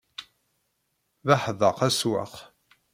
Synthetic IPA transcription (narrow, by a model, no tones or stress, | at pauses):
ðaħðˤɑqæswa̰q